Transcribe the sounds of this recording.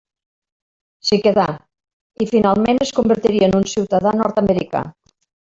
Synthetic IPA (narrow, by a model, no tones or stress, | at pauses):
sikeða | ifinalˠmenəskumbəɾt̪iɾiənunsiwt̪aðanɔɾt̪aməɾika̰